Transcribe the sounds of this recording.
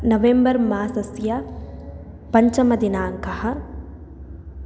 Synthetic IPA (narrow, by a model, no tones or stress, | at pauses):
nɐʋembɐɾmaːsɐsjɐ | pɐɲt͡ʃɐmɐd̪inaːŋkɐhɐ̆